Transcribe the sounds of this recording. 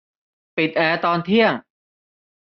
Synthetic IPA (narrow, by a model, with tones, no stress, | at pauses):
pi˨˩t̪̚ʔɛː˧t̪ɔː˧nt̪ʰi˥˩əŋ